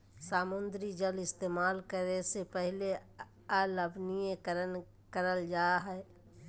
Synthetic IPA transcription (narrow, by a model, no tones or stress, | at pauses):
saːmʊnd̪ɾid͡ʒəlɪst̪eːmaːlkəɾesepəɦɪle | aləbnijẽkəɾən | kəɾəld͡ʒaːɦɛː